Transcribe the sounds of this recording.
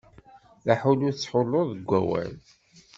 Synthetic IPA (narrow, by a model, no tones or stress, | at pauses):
ðaħulʊt͡sːħolːoðəɡʷːæ̰wæ̰n